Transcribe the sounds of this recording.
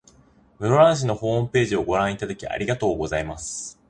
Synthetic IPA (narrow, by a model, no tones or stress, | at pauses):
mɯ̟ɾoɾãɰ̃ɕ̬ino̞ho̞ːmɯ̟pe̞ːʑio̞ɡo̞ɾãɰ̃it̪ad̪akʲiʔa̰ɾʲiɡat̪o̞ːɡo̞zaimasɨ̥